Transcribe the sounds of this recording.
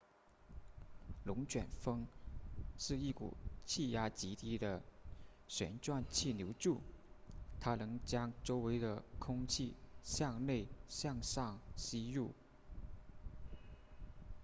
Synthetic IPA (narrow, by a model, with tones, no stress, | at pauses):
lʊ˧˥ŋt͡ɕɥɛ̰˨˩nfɤ˥ŋ | ʂɻ̩˥˧i˥˩kṵ˨˩t͡ɕʰi˥˩ja˥t͡ɕi˧˥t̪i˥d̪ə˨ | ɕɥɛ̰˧˥nʈ͡ʂwa˥˧nt͡ɕʰi˥˩njo˧˥ʊʈ͡ʂu˥˩ | t̪ʰa˥nɤ˧˥ŋt͡ɕjɑ˥ŋʈ͡ʂo˥ʊwe˧˥ɪd̪ə˧kʰʊ˥ŋt͡ɕʰi˥˩ɕjɑ˥˧ŋne˥˩ɪɕjɑ˥˧ŋʂɑ˥˩ŋɕi˥ɻu˥˩